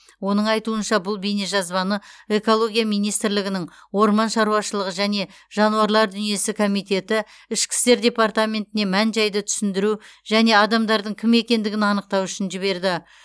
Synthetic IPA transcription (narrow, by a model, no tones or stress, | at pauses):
wo̞nəɴɑjt̪uənʃɑbʊlˠbeneʒɑzbɑnəe̞ko̞lˠo̞ɡʲijamijnijst̪ɾlɪɡʲɪnɪŋwo̞ɾmɑnʃɑɾuɑʃəlˠəʁəʒæne̞ | ʒ̥ɑnuwɑɾlˠɑɾd̪ʏnije̞sɪkʰo̞mijt̪e̞t̪ɪ | ɪʃkʲɪ̥st̪e̞ɾd̪ʲe̞part̪amʲe̞nt̪ɪne̞mænʒɑjd̪ət̪ʰʏ̥sɪnd̪ɪɾuʒ̥æne̞ɑd̪ɑmd̪ɑɾd̪əɴkʲʰɪme̞kʲe̞nd̪ɪɡʲɪnɑnəq̚t̪ɑwʏʃɪnʒɪβe̞ɾd̪ɪ